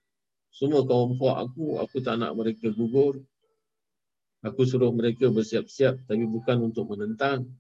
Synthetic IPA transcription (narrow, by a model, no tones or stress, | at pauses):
səmuəkawɔmhoaʔa̰kua̰kut̪ana̰ʔməɾekəɡuɡʊr | akus̬uɾʊhməɾekəbərsiap̚siap̚t̪apibukanunt̪ʊk̚mənənt̪aŋ